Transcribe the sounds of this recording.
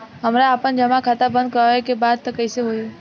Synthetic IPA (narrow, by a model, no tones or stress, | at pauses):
ɦɐmɾaːpənd͡ʒɐmakʰat̪abə̃nd̪̚kəaekebaːd̪̚t̪ɐkəɪseɦoːe